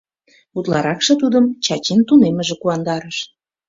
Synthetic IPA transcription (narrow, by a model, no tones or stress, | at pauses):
ut̪lɑɾɑkʃɤ̆t̪ud̪əmt͡ɕɑt͡ɕint̪uneməʒekuɑnd̪ɑɾəʃ